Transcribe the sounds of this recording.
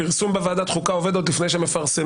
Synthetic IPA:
iʁsumbevaːd̪at̪χukao̞ved̪ot̪lifnejʃemefaʁse

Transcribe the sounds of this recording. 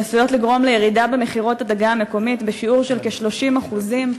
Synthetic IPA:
nasujo̞tliɡʁo̞mlejeʁidabemeχiʁo̞tadaɡaːme̞ko̞mitbeʃiuʁʃelkeʃlo̞ʃimaχuzim

